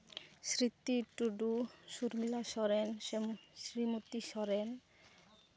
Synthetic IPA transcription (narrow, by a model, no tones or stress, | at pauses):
sɾit̪ːiʈuɖuʃuɾmilaʃɔɾenʃɾimut̪ːiʃɔɾen